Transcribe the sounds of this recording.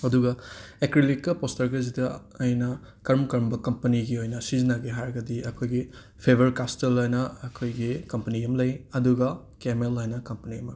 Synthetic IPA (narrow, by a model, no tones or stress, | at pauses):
ɐduɡɐekɾilikkːɐpostɐɾɡɐzidɐː | jnɐ | kɐɾmkɐɾmbɐkɐmpɐniɡiojnɐsizinaɡɐɦaɾɐɡɐdiʔɐkʰojɡi | pʰebʱɐɾkastelojnɐɐkʰojɡikɐmpɐniɐmlɐjɐduɡɐ | kemelajnɐkɐmpɐniɐmɐ